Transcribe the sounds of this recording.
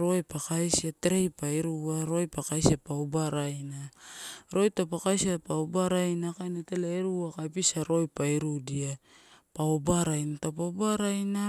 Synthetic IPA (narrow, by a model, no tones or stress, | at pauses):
ɾo̞jpakajsiateɾejpajɾuaɾo̞jpakajsapaubaɾajnaɾo̞jtapakajsapaubaɾajnakajnatelaeɾuakajpisaɾo̞jpajɾudiapaobaɾajnatapabaɾajna